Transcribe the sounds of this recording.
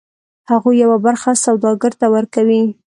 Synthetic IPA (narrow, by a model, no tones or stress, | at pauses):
haɣujːawabaɾxasawd̪ɑɡəɾt̪awəɾkawi